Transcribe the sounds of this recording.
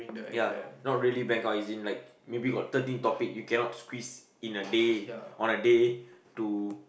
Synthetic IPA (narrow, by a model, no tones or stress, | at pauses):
janɔt̚ɹiəlibɛ̃ŋkaizĩnlaɪk̚ | mebiɡɔt̚tːətĩntɔpik̚jukɛ̃nɔtskwis | ĩnədeɔ̃nədetu